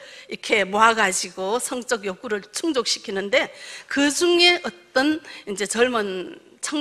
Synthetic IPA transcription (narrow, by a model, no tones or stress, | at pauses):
ikʰe̞moaɡad͡ʑiɡosʰʌŋt͡ɕ͈ʌɡjok͈uɾɯɭt͡ɕʰuŋd͡ʑok̚ɕ͈ʰi̥kʰinɯnde̞kɯd͡ʑuŋe̞ʌt͈ʌnind͡ʑe̞t͡ɕʌɭmʌn | t͡ɕʰʌŋ